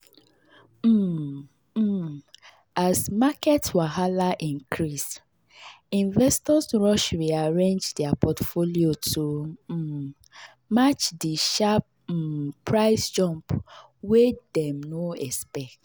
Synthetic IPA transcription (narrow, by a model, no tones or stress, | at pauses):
asmakɛtswaɦalaʔĩŋkʰɹis | ĩnvɛstɔsɹɔʃɹiaɹẽnd͡ʒdɛapʰɔtfoliotʰo | mat͡ʃdiʃap̩ | pɹaɪsd͡ʒɔ̃mp | wedɛ̃mnoɛspɛkt